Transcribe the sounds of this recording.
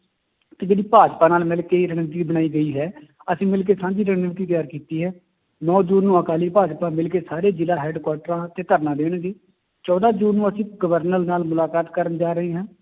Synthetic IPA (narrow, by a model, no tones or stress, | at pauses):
t̪eːd͡ʒeːɽiːpaːd͡ʒpãːnaːlmɪlkeːiːɾəɳʋt̪̬iːbəɽaːiːɡəiːɦɛː | əsĩːmɪlk̬eːsãːd͡ʒiːɾəɳnʋt̪iːt̪jaːɾkiːt̪iːɦɛː | nɔːd͡ʒuːnːũːəkaːliːpaːd͡ʒpãːmɪlk̬eːsaːɾeːd͡ʒɪlaːɦɛːɖkwaːʈəɾãːt̪eːt̪əɾnãːd̪eːɽ̃ɡeː | t͡ʃɔːd̪aːd͡ʒuːnːũːəsĩːɡəʋəɾnəlnaːlmʊlaːkaːt̪kəɾənd͡ʒaːɾəɦeːɦãː